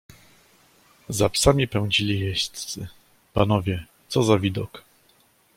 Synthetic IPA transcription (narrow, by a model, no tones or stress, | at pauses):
zapsamʲipɛw̃d͡ʑilʲijɛɕt̪ssɘ̰ | panɔvʲjɛ | t̪sɔzavʲid̪ɔk